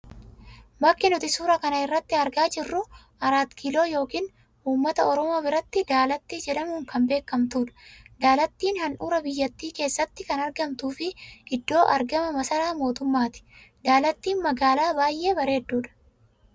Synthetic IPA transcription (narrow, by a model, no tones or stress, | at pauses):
bɐkːɪnʊt̪ɪsuːɾɐkɐnɐɪrːɐt̪ːɪɐɾɡaːd͡ʒɪrːʊ | ʔɐɾaːt̪kʰiːlo̞ːjo̞ːkiːn | uːmːɐt̪ɐɔɾɔmo̞ːbɪɾɐt̪ːɪd̪aːlɐt̪ːid͡ʒɛᶑɐmuːŋkɐmbe̞ːkːɐmt̪uːᶑɐ̥d̪aːlɐt̪ːiːnhɐnᶑuːɾɐbɪjːɐt̪ːiːke̞ːsːɐt̪ːɪkɐnɐɾɡɐmt̪uːfɪʔɪd̪ːo̞ːʔɐɾɡɐmɐmɐsɐɾaːmo̞ːt̪ʊmːaːt̪ɪ̥d̪aːlɐt̪ːiːnmɐɡaːlaːbaːjʔe̞ːbɐɾe̞ːd̪ːuːᶑɐ̥